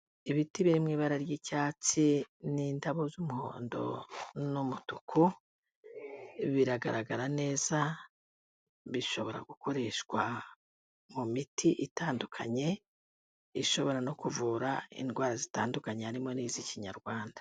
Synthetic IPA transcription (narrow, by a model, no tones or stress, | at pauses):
iβitiβiɾimŋiːβaɾaɾjicaːt͡sinindaβozumuho̰ːndo̞̰numutukʰo | βiɾaɡaɾaɡaɾane̞ːz̥a | βiʃo̞βo̞ɾa̰ɡukʰo̞ɾe̞ʃɡwa | mumitiʔitaːndukʰaɲe̞ | iʃo̞βo̞ɾano̞kuvuɾaḭndɡwaːɾazitaːndukaɲeaɾimo̞niːziciɲaɾɡwaːndḁ